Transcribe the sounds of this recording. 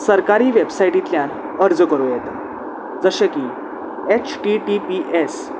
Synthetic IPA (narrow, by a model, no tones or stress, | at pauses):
səɾkaɾiːʋebsaiʈit̪ljãn | əɾd͡zkəɾujet̪ | d͡zəɕeki | et͡ɕʰʈiʈipiʔes